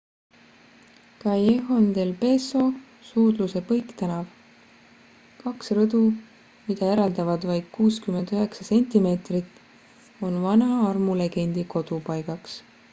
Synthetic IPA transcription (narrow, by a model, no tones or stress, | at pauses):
kɑjeɦond̪e̞lpe̞so̞ | suːd̪̥luse̞pɤ̞jkt̪ænɑv | kɑksrɤd̪̥u | mid̪̥ɑe̞ɾɑld̪ɑvɑd̪vɑjd̪̥̚kuːskyme̞nd̪̥øɦe̞ksɑse̞nʲt̪ime̞ːt̪rit̪ːˑ | o̞nvɑnɑɑrmule̞ɡ̥e̞nʲd̪̥iko̞d̪̥upɑjɡ̥ɑks